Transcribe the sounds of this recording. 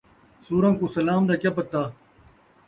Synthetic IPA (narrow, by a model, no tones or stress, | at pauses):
suːɾãːkusɐlaːmd̪akʲapɐt̪ːaː